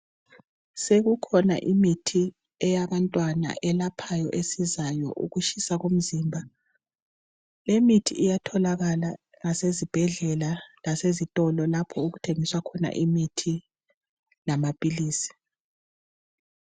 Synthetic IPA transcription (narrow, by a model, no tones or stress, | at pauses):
seɣukʰɔna̰ʔimitʰi | ɛjaβantʼwana̰ʔɛlapʰajɔ̰ʔesizajɔ̰ʔṵɣuʃisaɣom̩ziːmbʱa | lemitʰḭʔijatʰɔlaɣala | ŋasezib̥ʱɛɮɛlalasezitʼɔlɔlapʰɔuɣutʰeŋiswakʰɔna̰ʔimitʰi | lamapʼiliːsi̥